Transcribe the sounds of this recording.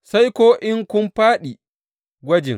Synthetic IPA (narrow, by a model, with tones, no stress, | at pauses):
sa˦jkʷoː˦ʔɪ˦ŋkʷʊ˦mɸaː˦ɗi˨ | ɡʷɐ˦d͡ʒɪ̰˨ŋ